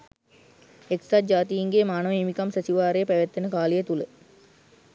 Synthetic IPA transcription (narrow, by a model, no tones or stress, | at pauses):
eksad͡ʒaːt̪ijiŋɡemaːnəʋimikamsæsiʋaːɾejəpæʋæt̪ːenəkaːlejet̪ulə